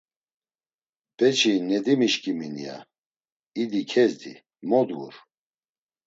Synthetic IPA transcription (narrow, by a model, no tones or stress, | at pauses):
b̥ɛt͡ʃʰinɛd̪imiʃkʼiminḭja̰ | id̪ikʰɛzd̪ḭ | mɔd̪ɡṵɾ